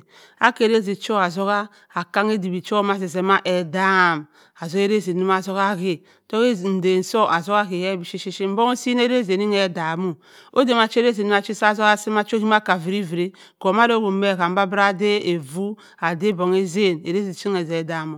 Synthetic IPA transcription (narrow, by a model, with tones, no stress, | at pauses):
a̰˦ke˨ɾe˦zi˨t͡ʃo˦a˨zo˦ɣa˦ | a˨ka˦ŋe˦di˨bi˨t͡ʃo˦ma˦zi˨ze˨ma˦ʔe˨da˦˨m | a˨zo˦e˦ɾe˦˨zi˨ni˦ma˨zo˦ɣa˦ki˦ | to˦ke˦n̩˨de˨n̩˨so˦ʔa˨zo˦ɣa˦ki˨je˦bi˨ʃi˦ʃi˦ʃi˦m̩˦bo˦ŋo˦si˦n˦e˦ɾe˦˨ze˨ni˦ŋe˨da˨mu˨ | o˦de˨ma˨t͡ʃɾe˦zi˨ni˦ma˨t͡ʃi˦sa˦zo˦ɣa˦si˦ma˦t͡ʃo˦ki˦ma˦˨ka˨vi˨ɾi˦vi˨ɾi˦ | ko˨ma˦do˦ɡo˨˦me˦˨ka˨m̩˦ba˦bɾa˦de˦e˨vu˦ | a˨de˦bo˨ŋe˦ze˦˨ne˨ɾe˦zi˨t͡ʃi˦ŋe˨ze˨da˨mo˨